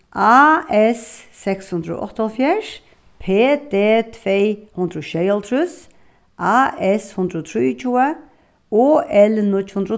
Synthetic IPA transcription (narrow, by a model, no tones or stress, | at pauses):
ʔaːɛsːɛkshʉnd̪ɾəo̰ʔɔ̰t̪ːɔlfjæʂ | pʰeːd̪eːt̪ʰvehʊnd̪ɾəʃɛjəlt̪ʰɾʉs | ʔaːɛshʊnd̪ɾəot̪ʰɾiːʊt͡ʃʰuːə | oːʔɛlnʊt͡ʃhʊnd̪ɾə